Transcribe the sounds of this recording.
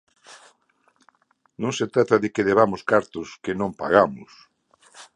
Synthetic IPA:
nõŋset̪ɾat̪aðɪkeðeβamʊskaɾt̪ʊskenõmpaɣamʊ̰s

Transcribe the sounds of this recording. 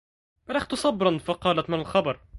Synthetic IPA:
ɾˤaxt̪ʊsˤɑbɾˤɑnfɑqɑːlat̪manalxɑbɑɾˤ

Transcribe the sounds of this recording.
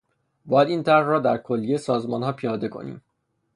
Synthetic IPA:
bɒːjæd̪iːnt̪ʰæɾhrɒːd̪æɾkʰolːiesɒːzmɒːnɦɒːpʰijɒːd̪e̞kʰo̞̰nḭːm

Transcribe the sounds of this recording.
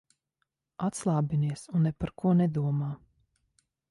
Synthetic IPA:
at̪slˠaːbiniɛsunːɛpaɾkuɔnɛd̪uɔmaː

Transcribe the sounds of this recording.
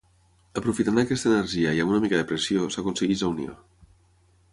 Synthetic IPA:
əpɾufit̪anəkɛst̪əːnəɾʒiəiamunəmikaðəpɾəsijosakunsəɣilaunḭo̰

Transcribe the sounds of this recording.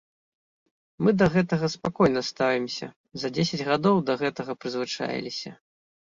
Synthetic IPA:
mɨd̪ɐɣɛt̪ɐɣɐspakɔjnɐst̪avʲimsʲɐ̰ | zɐd͡zʲesʲɐd͡zʲɣad̪ɔwd̪ɐɣɛt̪ɐɣɐpɾɨzvɨt͡ʂa̰j̰lʲisʲɐ

